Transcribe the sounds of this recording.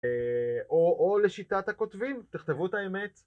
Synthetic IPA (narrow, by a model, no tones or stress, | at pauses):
eʔoʔoleʃitat̪hako̞t̪vimt̪iχt̪evuetaeme̞t